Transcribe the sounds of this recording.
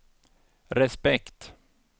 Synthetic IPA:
ɾɛspɛkt̪

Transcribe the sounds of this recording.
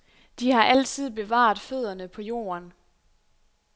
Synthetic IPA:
d̥ihɑ̈ʔæl̰t͡sʰið̞̰ˠb̥e̝ʋɑ̰̈ːð̩ˠføð̞̰ˠɐnəpʰɒ̽jo̝̰ːɐn

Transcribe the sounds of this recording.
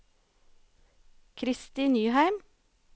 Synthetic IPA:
kʰɾɪst̪iːnyːhæɪm

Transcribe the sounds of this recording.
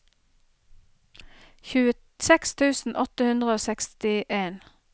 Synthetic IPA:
çʉːə | sɛkst̪ʰʉːsn̩ʔɔt̪əhʉnd̪ʁəoːsɛkst̪ɪʔeːn

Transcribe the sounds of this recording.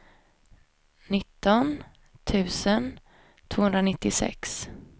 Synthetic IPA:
nɪt̪ːɔn | t̪ʰʉ̟ːsən | t̪ʰv̥oːhɵnd̪ɾanɪt̪ːɪsɛ̰ks

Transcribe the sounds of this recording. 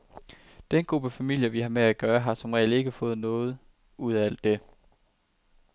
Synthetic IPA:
d̥enɡ̥ʁub̥əfæmil̰jɐʋihɑ̈meæɡ̥ɶːɐɦɑ̈sɒ̽mʁɛ̰ɪl̥e̝ɡ̥əfɔ̽ːð̞̩ˠnɔ̽ːð̞̩ˠ | ʔuð̰ˠæl̰d̥ːe̝

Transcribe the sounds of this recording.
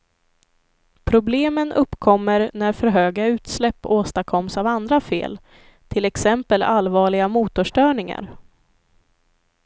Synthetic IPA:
pʰɾʊbleːmənʔɵpːkʰɔmːəɾnæɾfœɾɦøːɡaʉ̟ːt̪slɛpːoːst̪akʰɔmsavand̪ɾafḛːl | t̪ʰɪlɛksɛmpəlalvɑːɭɪɡamuːt̪ʊʂʈœːɳɪŋa̰ɾ

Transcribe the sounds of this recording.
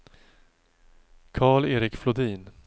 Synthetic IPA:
kʰɑːɭeːɾɪkflʊd̪iːn

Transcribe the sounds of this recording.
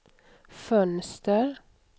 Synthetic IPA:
fœnst̪əɾ

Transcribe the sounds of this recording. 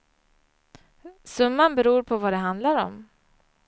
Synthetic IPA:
sɵmːanbɛɾuːɾpʰɔvad̪ɛɦand̪laɾɔ̰m

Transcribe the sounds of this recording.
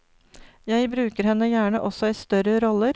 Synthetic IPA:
jæɪbɾʉːkəɾhɛnːəjæːɳəʔɔsɔiːst̪œɾəɾɔləɾ

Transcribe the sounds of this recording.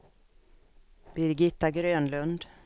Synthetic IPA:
b̥ɪɾɡɪt̪ːaɡɾøːnlɵnd̪

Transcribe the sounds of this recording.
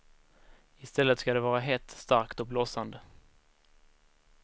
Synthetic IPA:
ɪst̪ɛlːət̪skad̪ɛvɑːɾaɦɛt̪ːst̪aɾkt̪ɔblɔːsand̪ə

